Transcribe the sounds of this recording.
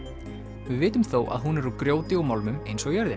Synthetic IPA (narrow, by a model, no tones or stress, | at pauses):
vɪðvɪːt̪ʏmθoːwʔa̰ðɦunɛɾukɾjoːwt̪ɪumalmʏmejnsɔɣjœɾðɪn